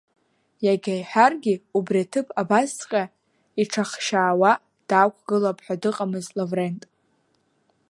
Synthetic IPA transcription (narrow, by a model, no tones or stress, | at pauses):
jaɡʲajħʷarɡʲiubriatʰɨpʰabast͡sqʲʼa | iʈ͡ʂʰaχʃaːwa | d̥aːkʷʰɡɨlapʰʼħʷᶣadɨqʼamɨzlovre̞ntʼ